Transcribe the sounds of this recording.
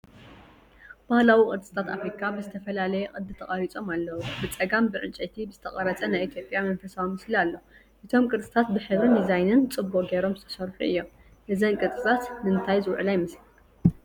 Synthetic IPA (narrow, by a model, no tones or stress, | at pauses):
b̥ahlawikʼɨɾt͡sʼɨ̥t̪ʰʼat̪afɾikʰabɨzɨt̪ʰɐfɐlalɐjɛqʼɨd̪ɨt̪ʰɐχʼaɾit͡sʼo̞malːɐwubɨt͡sʼɐɡambɨʕɨnt͡ʃʼɐt̪ʰibɨzɨt̪ʰɐχʼɐɾɐt͡sʼɐnajʔit̪ʰjo̞pʼjamɐnfɐsawimɨslialːo̞ | ʔɨt̪ʰo̞mkʼɨɾt͡sʼɨt̪ʰat̪̚bɨħɨβɨnizajnɨnt͡sʼɨbːuʔʼɡeɾo̞mzɨt̪ʰɐsɐɾħuʔɨ̰jːo̞m | ʔɨzɐnkʼɨt͡sʼɨt̪ʰat̪nɨnt̪ʰajzɨwʕɨlajmɨsli